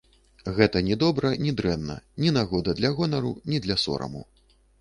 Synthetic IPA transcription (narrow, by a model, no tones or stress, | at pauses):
ɣɛt̪ɐnʲɛd̪ɔbɾɐnʲid̪ɾɛnːɐ̰nʲinaɣɔd̪ɐd̪lʲɐɣɔnɐɾunʲid̪lʲɐsɔ̰ɾɐ̰mṵ